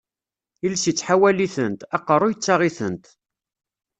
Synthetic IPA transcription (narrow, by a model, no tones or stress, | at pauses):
ilsit͡sːħawæliθənt̪ɑqːərˤojət͡sːaʁiθə̰nt̪